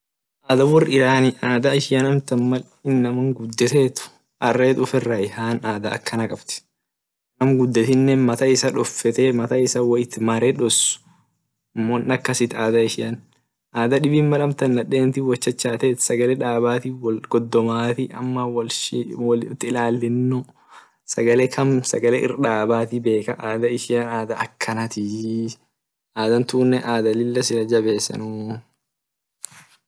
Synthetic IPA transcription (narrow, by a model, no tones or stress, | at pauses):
ʔaːd̪ɐwɔrɪɾaːnɪʔaːd̪ɐɪʃɪjɐnɐmt̪ɐnmɐl | ɪnːɐmɐŋɡʊd̪ːɛt̪eːt̪ʊ̥ | ʔɐrːeːt̪ʊfɛrːɐɪhaːnaːd̪ɐɐ̰kʰːɐnɐkʼɐbt̪ɪ̥ | nɐmɡʊd̪ːɛt̪ɪnːɛnmɐt̪ɐɪsɐᶑɔfːɛt̪eːmɐt̪ɐɪsɐwɐjɪt̪ːɪmaɾeᶑɔsʊ̥ | ɐmːoːnɐkːɐsɪt̪aːd̪ɐɪʃɪjɐn | ʔaːd̪ɐᶑɪbiːnmɐlɐmt̪ɐnːɐᶑeːnt̪iwɐt͡ʃːɐt͡ʃːaːt̪eːt̪sɐɡɐlɛᶑaːbaːt̪iwɡɔd̪ːɔmaːt̪iʔɐ̰mːɐwɐwlɪt̪ːɪɪlaːlːɪnːʊ | sɐɡɐlekʰɐmsɐɡɐlɛʔɪ̰rᶑaːbaːt̪ibe̞ːkɐʔaːd̪ɐɪʃɪɐnaːd̪ɐʔɐkʰːɐnɐt̪ɪ | ʔaːd̪ɐnt̪uːnːɛʔaːd̪ɐlɪlːɐsɪlɐd͡ʒɐbe̞ːsɐ̰nʊ